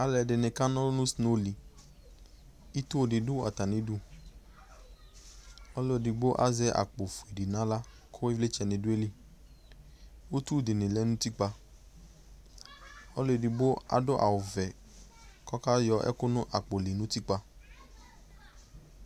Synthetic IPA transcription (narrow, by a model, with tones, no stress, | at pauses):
a˨lɛ˨dɪ˨nɪ̃˨ka˦nɔ̃˦nʊ̃˦sno˦li˨ | i˦t̪u˦˨dɪ˨du˦a˨t̪a˨nɪ̃˨du˦ | ɔ˦lo˦˨di˨bo˦ʔa̰˦zɛ˦ʔa̰˨k͡po˨fu˨e˨di˨nã˦la˦ | kʰʊ˦e˦vle˦t͡ʃɛ˨nɪ̃˨dʊ˦e˦li˦ | wo˦t̪u˦˨dɪ˨nɪ̃˨lɛ˦nʊ̃˦t̪i˦k͡pa˧ | ɔ˦lo˦˨di˨bo˦a̰˨dʊ˦ʔa̰˨wʊ˨vɛ˨ | kɔ˦ka˦jɔ˧ʔɛ̰˦kʊ˦nʊ̃˦ʔa˨k͡po˨li˨nʊ̃˦t̪i˦k͡pa˧